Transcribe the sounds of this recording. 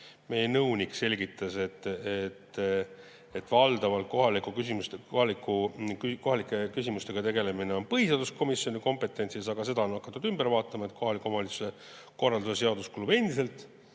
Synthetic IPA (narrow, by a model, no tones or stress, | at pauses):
me̞jenɤwnʲikse̞lʲɡit̪ːˑɑset̪ːet̪ː | et̪ːvɑld̪ɑvɑlt̪̚ko̞ɦɑlikukysimust̪ekohɑlikːˑukyko̞ɦɑlikːˑe̞kysʲimust̪e̞ɡ̥ɑt̪e̞ɡe̞le̞mine̞o̞npɤhiseɑd̪usko̞misjo̞nʲiko̞mpe̞t̪ːˑe̞nʲsisɑɡ̥ɑs̬e̞d̪ɑo̞nɑkːˑɑt̪ːˑud̪ymbeɾvɑːt̪ːˑɑmɑe̞t̪̚ko̞ɦɑlikːˑuomɑlit̪su̥se | ko̞rːɑld̪use̞se̞ɑd̪uskulube̞nd̪̥ise̞lt̪ˑ